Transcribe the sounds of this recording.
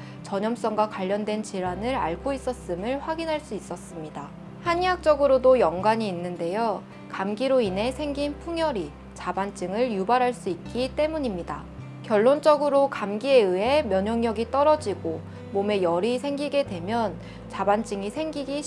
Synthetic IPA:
t͡ɕʌɲʌms͈ʌŋɡwakwaʎːʌndwe̞nt͡ɕiɾanɯɾa̰ɭɡois͈ʌs͈ɯmɯɭɸwaɡinɦaɭs͈uis͈ʌs͈ɯmɲida | haɲiɦak̚t͡ɕ͈ʌɡɯɾodojʌŋɡwaɲiːnːɯnde̞jo | kamɡiɾoinɦe̞sʰe̞ŋɡinpʰuŋjʌɾi | t͡ɕabant͡ɕ͈ɯŋɯɭjubaɾɦaɭs͈uit̚k͈it͈e̞muɲimɲida̰ | kjʌɭːont͡ɕ͈ʌɡɯɾokamɡie̞ɯe̞mjʌɲʌŋɲjʌɡit͈ʌɾʌd͡ʑiɡo | mome̞jʌɾisʰeŋɡiɡe̞dwe̞mjʌn | t͡ɕabant͡ɕ͈ɯŋisʰe̞ŋɡiɡi

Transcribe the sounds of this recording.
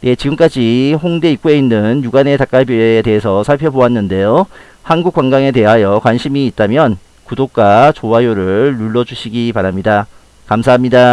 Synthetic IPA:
ne̞t͡ɕiɡɯmk͈ad͡ʑiɸoŋde̞ik͈ue̞inːɯnjuɡane̞tak͈abjieːte̞ɦesʰʌsʰaɭpʰjʌbowanːɯnde̞jo | hanɡuk͈waŋɡaŋe̞te̞ɦajʌkwanɕʰimiːt̚t͈amjʌn | kudok̚k͈at͡ɕowajoɾɯɭːuɭːʌd͡ʑuɕʰiɡipaɾamɲida | kamsʰaɦamɲida

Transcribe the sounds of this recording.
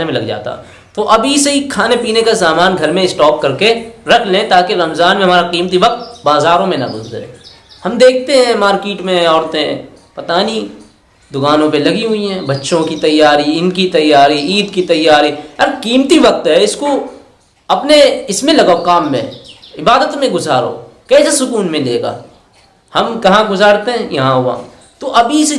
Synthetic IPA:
emẽlɐɡd͡ʒa̰ːt̪a̰ | t̪oʔɐbʱiseikʰaːnepiːnekas̬aːmaːnɡʱɐɾmẽɪsʈɔːp̚kɐɾkeɾɐkʰlẽt̪aːkeɾɐmzaːnmẽɦɐ̃maːɾaqiːmt̪̬iʋɐk̚t̪̚baːzaːɾõmẽnɐ̰bʊ̰zd̰ɾḛː | hɐmd̪eːk̚ʰt̪eɦɛ̃maːɾkiːʈmẽɦɛ̃ɔːɾt̪ẽɦɛ̃ː | pɐt̪aːnĩ | d̪ʊkaːnõpelɐɡiɦʊiɦɛ̃ːbɐtːʃõkit̪ɐjaːɾiɪnkit̪ɐjːaːɾiiːd̪kit̪ɐjːaːɾiɐɾkiːmt̪iʋɐk̚t̪ɦɛɪsko | ɐpneɪsmẽlɐɡaokaːmːḛ̃ɪbaːd̪ət̪mẽɡʊzaːɾo̰ːkɛːsasʊkuːnmẽleːɡa̰ː | hɐmkɐɦãɡʊzaːɾt̪eɦɛ̃jɐɦãɦʊa̰ː | t̪oʔɐbʱis

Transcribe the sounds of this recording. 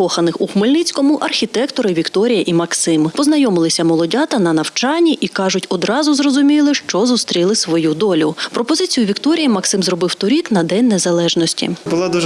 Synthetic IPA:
kɔxɐnɪxuxmelʲnɪt͡sʲkɔmʊʔɐrxʲit̪ɛkt̪ɔɾɪʋʲikt̪ɔɾʲijɐʔimɐksɪmpɔznɐjɔmɪlˠɪsʲɐmɔlˠɔdʲɑt̪ɐnɐnɐwt͡ʃɑnʲːiʔikɑʒʊtʲɔd̪ɾɑzʊzrɔzʊmʲilˠɪʃt͡ʃɔzust̪ɾʲilˠɪsʋɔjud̪ɔlʲʊpɾɔpɔzɪt͡sʲijʊʋʲikt̪ɔɾʲijimɐksɪmzrɔbɪwt̪ɔɾʲiknɐd̪ɛnʲnezɐlˠɛʒnɔsʲtʲḭbʊlˠad̪uʒ

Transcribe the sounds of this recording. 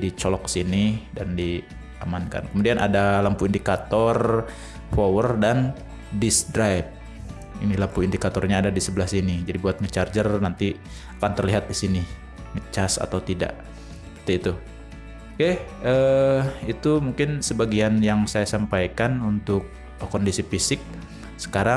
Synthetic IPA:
dit͡ʃɔlɔk̚sinidandi | a̰manka̰nkəmudianʔadalampuindikat̪ɔr | fowərdan | disdɾajp̚ | inilampuindikat̪ɔrɲaːdadisəbəlahsinid͡ʒadibuat̪̚ŋət͡ʃard͡ʒərnant̪i | akant̪ərliɦat̪̚disinɪ | ŋət͡ʃasa̰t̪awt̪ida̰ʔ | t̪iit̪u | keə | it̪umuŋkɪnsəbaɡianjaŋsajasampajkanunt̪ʊk̚ | kɔndisifisɪk̚ | sə̥kaɾa

